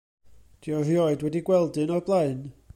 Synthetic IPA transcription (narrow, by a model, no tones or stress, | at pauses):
d̥iɔrjɔɨdwɛdiɡwɛlˠdɨnɔblˠaɨn